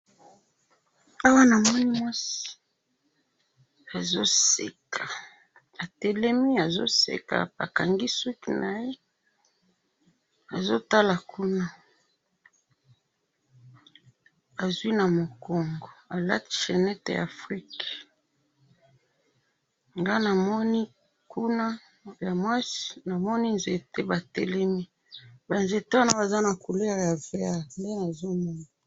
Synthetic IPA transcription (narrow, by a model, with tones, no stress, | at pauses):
a˦wa˦na˨mɔ˦ni˦mwa˦si̥˨ | a˨zo˦sḛ˨kʰa˨ | a˨tɛ˨lɛ˦mi˦a˨zo̰˦sḛ˨ka̰˨pa̰˨ka˨ŋɡi˦su˦ki˦nʔa˨je˦ | a˨zo˦ta˦la˨ku˦na˦ | a˨zwi˦na˨mo˨kɔ˨ŋɡo˨a˨la̰˦ti̥˨ʃɛ˨nɛ˦tḛ˨ja̰˨fʁi˦k | ŋɡa˦na˨mɔ˦ni˦ | ku˦na˦ | ja˨mwa˦si̥˦na˨mɔ˦ni˦nze˨te˦ba˨tɛ˦lɛ˦mi˦ | ba˨nze˨te˦wa˦na˦ba˨za˦na˨ku˨lɛ˦ʁja˨v̥ɛ˦ʁnde˦na˨zo˦mɔ˦na˨